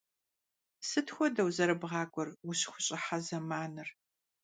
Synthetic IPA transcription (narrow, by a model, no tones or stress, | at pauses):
sɨtʰxʷɔdɐwzɐɾɨbʁɑːkʷʼɔrwʊɕxʷʊɕʼɪħazɐmaːnɨr